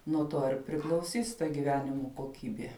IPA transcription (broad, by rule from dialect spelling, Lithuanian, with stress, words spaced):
nuɔ ˈtoː ɪr pʲrʲɪklˠɐʊˈsʲiːs tɐ ɡʲɪˈʋʲæːnʲɪmoː koːˈkʲiːbʲeː